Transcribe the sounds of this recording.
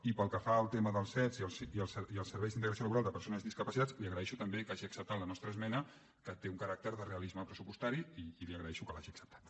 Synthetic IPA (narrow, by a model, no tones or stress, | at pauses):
ipəlˠkəfaəlˠt̪eməðəlˠsɛziəlsiəlˠsiəlˠsːəɾβɛjzðint̪əɣɾəsioləβuɾalˠd̪əpəɾsonəzðiskəpəsit̪at͡sliəɣɾəɛʃut̪əmbekaʒiəksəp̚t̪at̪lənɔst̪ɾəːzmɛnə | kət̪euŋkəɾak̚t̪əɾðəreəlizməpɾəsupust̪aɾiiːliəɣɾəɛʃukəlaʒiəksə̥p̚t̪ḁt̪